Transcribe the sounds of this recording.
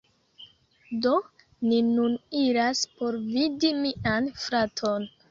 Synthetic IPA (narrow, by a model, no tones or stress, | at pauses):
do̞ | ninuniɾaspo̞ɾvidimiʔanfɾatʰo̞n